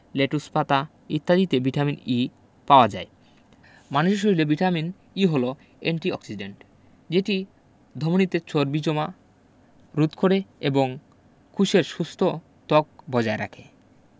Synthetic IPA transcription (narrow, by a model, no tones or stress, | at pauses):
leʈuspat̪a | it̪ːad̪it̪ebiʈamini | paoad͡ʑae | manuʃeʃ̬oɾilebiʈamin | iɦolo | eɳʈiɔ̰ksiɖeɳʈ | d͡ʑeʈi | d̪ʱomonit̪et͡ɕoɾbid͡ʑoma | ɾut̪kʰoɽeeboŋ | kʰuʃeɾʃust̪ʰo | t̪ɔk̚bɔd͡ʑaeɾa̰kʰe